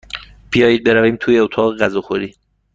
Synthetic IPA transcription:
b̥ijɒːjiːd̪̚beɾæviːmt̪ʰuːjeot̪ʰɒːɣeɣæzɒːxoɾiː

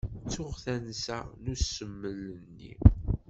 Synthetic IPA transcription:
t͡sːʊʁθænsæ̰nusəmːələnːḭ

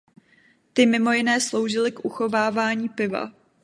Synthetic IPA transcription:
t̪ɪmɪmo̞jɪnɛːslo̞wʒɪlɪkʔuxo̞vaːvaːɲiːpɪva̰

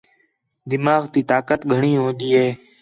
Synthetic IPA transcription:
d̪ɪmaːɣt̪iːt̪aːkət̪ɡʱəɳ̃iːɦõːɗ̪iːɦeː

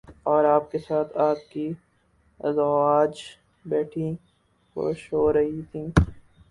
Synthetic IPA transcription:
ɔːɾaːp̚kesaːt̪ʰaːt̪ki | zaːd͡ʒ | bɛːʈʰĩ | xo̰ːʃɦɦoːɾɐɦit̪ʰĩː

